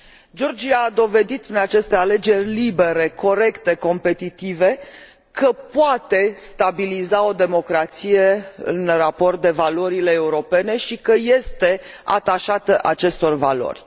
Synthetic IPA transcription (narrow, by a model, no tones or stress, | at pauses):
d͡ʒo̞rd͡ʒiaːd̪o̞ve̞d̪it̪ɨnat͡ʃe̞st̪e̞ale̞d͡ʒe̞rʲlibe̞ɾe̞kʰo̞ɾe̞kt̪e̞ko̞mpe̞t̪it̪ive̞ | kəpoat̪e̞st̪abilizao̞d̪e̞mo̞kɾat̪sije̞ɨ̰nrapo̞rt̪̚d̪e̞valo̞ɾile̞ːuɾo̞pe̞ne̞ʃikəje̞st̪e̞a̰t̪aʃat̪əʔat͡ʃe̞st̪o̞rvalo̞̰rʲ